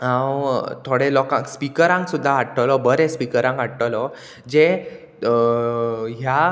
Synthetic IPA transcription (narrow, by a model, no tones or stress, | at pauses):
hãwt̪ʰoɽelɔkãŋkspikəɾãŋksud̪ʱːaaʈʈːəlɔbəɾespikəɾãŋkaʈʈəlɔ | d͡ʑe | ɦja